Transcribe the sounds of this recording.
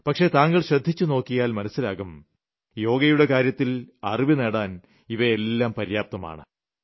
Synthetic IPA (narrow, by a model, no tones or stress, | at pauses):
pɐkʂe̞t̪aːŋɡɐɭɕrɐd̪ʱːit͡ɕːuno̞ːkːijaːlmɐnɐsːilaːɣum | jo̞ːɡɐjuɽe̞kaːɾjɐt̪ːilɐriʋinɐɽaːn | iʋɐelːaːmpɐɾijaːp̚t̪ɐma̰ːɳɨ